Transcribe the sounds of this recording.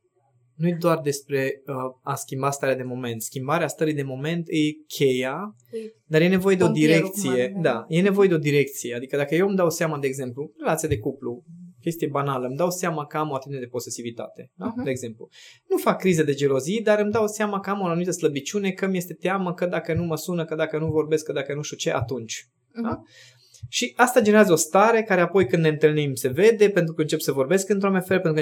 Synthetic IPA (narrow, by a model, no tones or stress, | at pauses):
nujjt̪̚d̪oard̪e̞spɾe̞əaskʲimbast̪aɾead̪e̞mo̞me̞nt̪skʲimbaɾeast̪əɾid̪emo̞me̞nt̪ɨjkʲʰe̞ja | d̪arje̞ne̞vo̞je̞d̪eo̞d̪iɾekt̪sije̞d̪aje̞ne̞vo̞je̞d̪eo̞d̪iɾe̞k̚t̪sijead̪ikəd̪akəjewɨmd̪awseamad̪eːɡze̞mplure̞lat̪sijad̪e̞kuplukʲe̞st̪ijebanaləmd̪awseamakəamoat̪et̪ed̪e̞po̞sesivit̪a̰t̪e̞d̪ad̪eːɡze̞mplunufakːɾized̪ed͡ʒe̞lo̞zid̪aɾɨmd̪awseamakəamonumit̪əsləbit͡ʃune̞kəmje̞st̪e̞t̪eaməkəd̪akənuməsunəkəd̪akənuvo̞rbe̞skəd̪akənuʃt̪ut͡ʃe̞ʔa̰t̪unt͡ʃʲ | a | ʃiast̪ad͡ʒene̞ɾazəo̞st̪aɾe̞kaɾe̞apo̞jkɨnne̞ɨnt̪ɨlnimse̞ve̞d̪e̞pent̪ɾukəɨnt͡ʃe̞psəvo̞rbe̞skɨnt̪ɾoamenfeɾpent̪ɾuk